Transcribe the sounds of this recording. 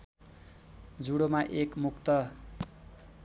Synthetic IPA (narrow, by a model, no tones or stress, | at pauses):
d͡zuɽomaʔekmukt̪ʌ